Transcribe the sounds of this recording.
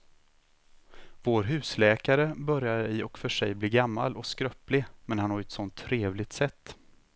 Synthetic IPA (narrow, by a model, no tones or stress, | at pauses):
voːɾɦʉ̟ːslɛːkaɾəbœɾjaɾɪɔkfœʂɛjblɪːɡamːa̰lʔɔkskɾœplɪmɛnhanhɑɾɛt̪sɔnt̪ʰːɾeːvlɪɡ̚t̪sɛt̪ː